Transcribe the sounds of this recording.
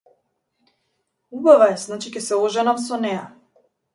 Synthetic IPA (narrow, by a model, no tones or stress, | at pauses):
ubavaɛznat͡ʃikɛsɛɔʒɛnamsɔnɛja